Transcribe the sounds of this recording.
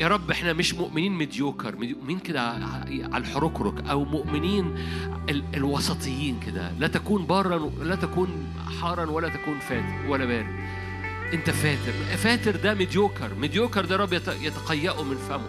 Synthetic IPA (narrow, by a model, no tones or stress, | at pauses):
jæːɾˤɑbːʔeħnæmeʃmoʔmɪniːnmed̪joːkɑɾˤmed̪joʔmniːnked̪æ̰ | ʕa̰lħoɾˤokɾo̰kʔæwmoʔmɪniːn | eelwɑsˤɑt̪ʰˤejːiːnked̪æ̰læt̪ækuːnbɑrˤːɑnlæt̪ækuːn | ħɑːɾˤɑnwælːæt̪ækuːnfæːt̪eɾwælːæbæːɾe | ʔent̪æfæːt̪eɾfæːt̪eɾd̪æmed̪joːkɑɾˤmed̪joːkɑɾˤd̪æɾˤɑbːjɑt̪jet̪æ̥qɑjːæʔumenfæmo